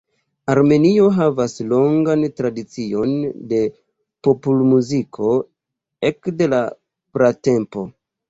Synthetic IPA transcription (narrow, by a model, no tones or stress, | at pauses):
aɾme̞nio̞ɦavaslo̞ŋɡantɾadit͡sio̞nde̞ | populmuzikʰo̞ | e̞kde̞la | pɾate̞mpo̞